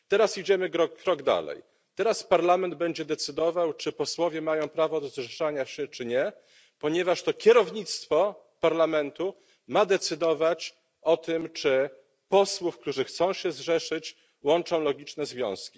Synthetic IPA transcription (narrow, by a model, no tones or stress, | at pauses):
t̪ɛɾasid͡ʑɛmɘkɾɔkːɾɔɡd̪a̰lɛ̰j | t̪ɛɾaspaɾlamɛnd̪̚bɛɲd͡ʑɛd̪ɛt̪sɘd̪ɔvawt͡ʂɘpɔswɔvʲjɛmajɔ̃w̃pɾavɔd̪ɔzʐɛʂaɲaɕɛt͡ʂɘɲɛ | pɔɲɛvaʂt̪ɔkʲɛɾɔvɲit̪st̪fɔ | paɾlamɛnt̪u | mad̪ɛt̪sɘd̪ɔvat͡ɕ | ɔt̪ɘmt͡ʂɘ | pɔswufkt̪uʐɘxt̪sɔ̃w̃ɕɛzʐɛʂɘt͡ɕ | wɔnt͡ʂɔ̃w̃lɔɡʲit͡ʂnɛzvʲjɔ̰̃w̃skʲi